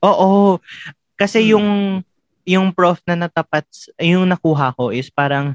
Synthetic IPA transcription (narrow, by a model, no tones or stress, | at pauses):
ʔoːʔo | kɐsɛjʊŋ | jʊŋpɹofnɐnɐt̪ɐpat̪̚sjʊŋnɐkuːɦɐʔɐko̞ʔɪspaːɾɐŋ